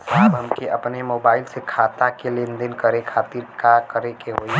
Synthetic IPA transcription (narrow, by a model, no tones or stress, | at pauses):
saːbɦəmkeəpnemoːbaːɪlsekʰaːt̪akelend̪enkəɾekʰaːt̪iɾkakəɾekeɦoːi